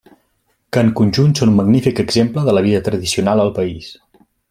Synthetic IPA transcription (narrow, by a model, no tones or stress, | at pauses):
kəŋkunʲʒunsonumːəɡnifikəɡzempləðələβ̞iðət̪ɾəðisiunalˠəlˠpəis